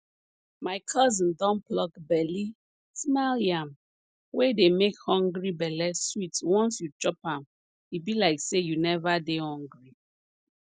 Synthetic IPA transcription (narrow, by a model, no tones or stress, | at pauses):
maɪkʰɔzɔ̃ndɔ̃nplɔkbɛli | smaljam | wedemekhɔ̃ŋɡɹibɛlɛswitwɔ̃nsjut͡ʃɔpãm | ibilaɪksejunɛvadehɔ̃ŋɡɹi